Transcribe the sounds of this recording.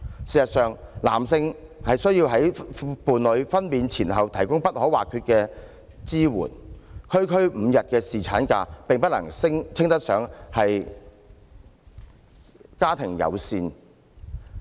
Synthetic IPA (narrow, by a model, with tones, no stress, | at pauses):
siː˨˩sɐ˨t̚sœː˨ŋla̰ː˨˩msɪ˧ŋ | hɐ˨jsɵ˥ɥjiː˧wɦɐ˨˥jpuː˨nlɵ˨˧ɥfɐ˥npiː˨nt͡sʰiː˨˩nɦɐ˨wt̪ʰɐ˨˩jkʊ˥ŋpɐ˥t̚hɔː˨˥wa̰ː˨kʰyː˧t̚kɛː˧ | t͡siː˥wṵː˨˩nkʰɵ˥ɥkʰɵ˥ɥm̩ː˨˧jɐ˨t̚kɛː˧siː˨t͡sʰa̰ː˨˥nka̰ː˧pɪ˨ŋpɐ˥t̚lɐ̰˨˩ŋsɪ˥ŋt͡sʰɪ˥ŋt̪ɐ˥t̚sœː˨˥ŋhɐ˨j | kaː˥t̪ʰɪ˨˩ŋjɐ̰˨˧wsiː˧n